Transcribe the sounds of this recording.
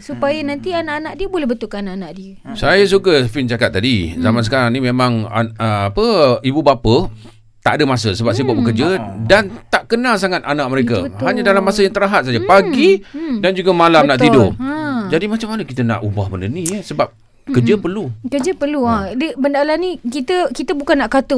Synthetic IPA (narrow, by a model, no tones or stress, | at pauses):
supajanant̪ianaʔanaʔ̚diəbolɛhbət̪ulkaanaʔanaʔdiə | sajas̬ukəfɪnd͡ʒakat̪ːadizamans̬əkaɾaŋnimemãŋa̰əapəibubapə | t̪a̰ʔdəmasəsəbap̚s̬aibuaʔ̚bəkərd͡ʒədant̪aʔkənas̬aŋat̪̚anaʔ̚məɾeka̰ɦaɲadalamːasəjaŋt̪əɾaɦat̪̚sajəpaɡidand͡ʒuɡamalammnaʔt̪idʊ̰d͡ʒadimat͡ʃamːanəkit̪əna̰ʔubahbəndəniəsəbap̚ | kəd͡ʒəpərlukəd͡ʒəpərluadəbəndalanikit̪əkit̪əbukanːaʔkat̪ʊ